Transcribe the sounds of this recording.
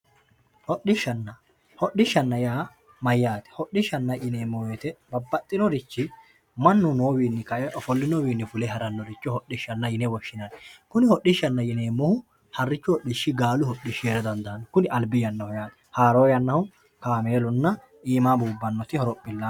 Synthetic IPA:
hɔɗɪʃːɐnːɐ | hɔɗɪʃːɐnːɐjaː | mɐjːaːt̪ɛ̥hɔɗɪʃːɐnːɐʔɪneːmːɔweːt̪ɛbɐbːɐt̪ʼːɪnɔɾɪt͡ʃːɪ | mɐnːʊnoːwiːnːɪkɐɔfɔlːɪnɔwiːnːɪfʊlɛɦɐɾɐnːɔɾɪt͡ʃːɔhɔɗɪʃːɐnːɐjɪnɛwɔʃːɪnɐnɛkʊnɪhɔɗːɪʃːɐnːɐjɪneːmːɔhʊ | hɐrːɪt͡ʃːʊhɔɗɪʃːɪɡaːlʊhɔɗːɪʃeɾɛd̪ɐnd̪ɐnkʊnɪʔɐlbɪjɐnːɐhʊjaːt̪ɛ̥haːɾoːjɐnːɐhʊ | kaːmeːlʊnːɐ | ʔiːmaːbuːbːɐnːɔt̪ɪhɔɾɔpʼːɪlːa

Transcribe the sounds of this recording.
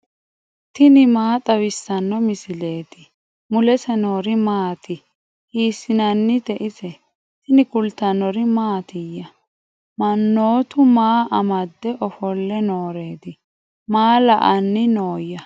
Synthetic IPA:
t̪ɪnɪmaːt̪ʼɐwɪsːɐnːɔmɪsɪle̞ːd̪ɪ | mʊlɛsɛno̞ːɾɪmaːt̪ɪ | hiːsːɪnɐnːɪt̪ɛʔɪsɛ | t̪ɪnɪkʊlt̪ːɐnɔɾɪmaːt̪ɪjːɐ | mɐnːo̞ːt̪ʊmaːʔɐmɐd̪ːɛʔɔfɔlːɛnoːɾe̞ːd̪ɪ | maːlɐʔɐnːɪnoːjːɐ

